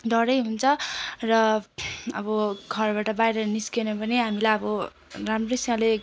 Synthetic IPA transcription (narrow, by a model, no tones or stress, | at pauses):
d̪ʱʌɾʌjɦunt͡sʰʌrʌ | ʌbʌɡʱʌrbaʈʌbajɾʌniskenʌpʌneɦamilajʌbʌ | ramrʌjsʌale